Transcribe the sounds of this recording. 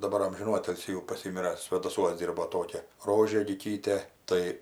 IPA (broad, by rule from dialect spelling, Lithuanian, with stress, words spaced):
dɐˈbɐr ˈɐmʲʒʲɪnuː ˈɑːtʲɪlʲsʲiː jɛʊ pɐˈsʲiːmʲɪrɐ sʲʋʲeːdɐˈsuɔs ˈdʲiːrboː ˈtoːkʲɛ ˈroːʒʲeː lʲɪˈkʲiːtʲeː ˈtɐɪ